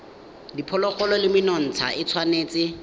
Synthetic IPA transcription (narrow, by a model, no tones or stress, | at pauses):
dipʰɔlɔχɔlɔlɪmɪnɔn̩t͡sʰa̰ɪt͡sʰwaneːt͡sʼɪ